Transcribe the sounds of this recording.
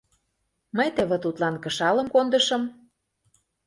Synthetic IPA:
məjt̪ə̆βĕt̪ut̪lɑnkɤ̆ʃɑlɤ̆mkond̪ɤ̆ʃɤ̆m

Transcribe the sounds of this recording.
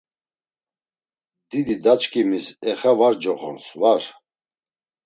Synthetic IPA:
d̪id̪id̪at͡ʃkʼimisɛχavaɾd͡ʒɔχɔ̰nsvaɾ

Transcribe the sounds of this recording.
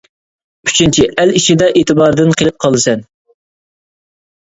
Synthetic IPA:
y̥t͡ʃʰint͡ʃʰiʔæliʃid̪ɛʔet̪ʰɨbɑɾd̪ɨnqʰelˠɪp̚qʰɑlˠːɨsɛn

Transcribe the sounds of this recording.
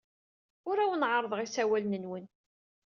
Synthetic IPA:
ʊɾæwnʕəɾˤðˤʁisæwælnənwən

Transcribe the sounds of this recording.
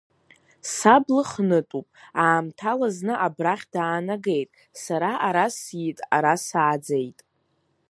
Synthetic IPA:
sablɨχnɨtʼupʼaːmtʰalaznɨʔabraχʲdaːnaɡe̞jtʼ | saɾaʔaɾasjitʼaɾasaːd͡zejtʼ

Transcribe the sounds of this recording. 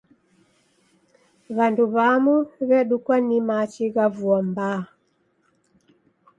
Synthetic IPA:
βanduβamuβɛɗukwanimat͡ʃiɣavuamba

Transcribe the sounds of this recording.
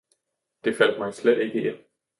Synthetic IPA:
d̥e̝fæl̰d̥̚mɑɪsled̥e̝ɡ̥əen̰

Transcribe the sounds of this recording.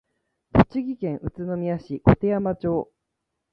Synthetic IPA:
t̪o̞t͡ɕiɡʲikẽ̞ɰ̃ʔɯ̟t͡sɨno̞mʲijaɕikot̪e̞jamat͡ɕo̞ː

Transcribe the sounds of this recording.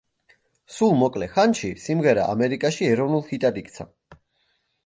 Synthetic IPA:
sulˠmɔkʼlɛχanʃisimʁɛɾa̰ʔa̰mɛɾikʼaʃiɛɾɔvnulˠhit̪ʼad̪ikʼt̪sʰa̰

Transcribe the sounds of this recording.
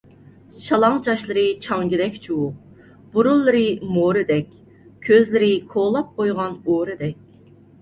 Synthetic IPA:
ʃɑlˠɑŋd͡ʒɑʃlˠɨɾɨt͡ʃʰɑŋɡʲɪd̪ɛkʲt͡ʃʰuwu | b̥uɾulˠːɨɾɨmoɾɨd̪ɛkʲ | kʲʰøzlɪɾɪkʰolˠɑp̚qʰojʁɑnoɾɨd̪ɛkʲ

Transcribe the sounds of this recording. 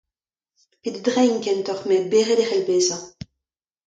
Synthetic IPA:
ped̪d̪ʁɛjnkɛnt̪ɔχmɛbeʁɛd̪eʁɛlbeːzɑ̃

